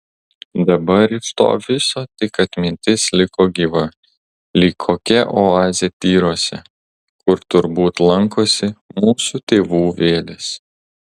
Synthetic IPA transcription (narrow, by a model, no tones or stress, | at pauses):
d̪ɐbɐɾɪʃt̪o̰ːʋʲɪsoːt̪ʲɪkɐt̪ʲmʲɪnʲt̪ʲɪslʲɪkoːɡʲiʋɐ | lʲiːkʰoːkʲɛʔoɑːzʲɛt̪ʲiːɾoːsʲɛ̰ | kʊɾt̪ʊɾbuːt̪lˠɐŋkoːsʲɪmuːsuːt̪ʲeːʋuːʋʲeːlʲɪs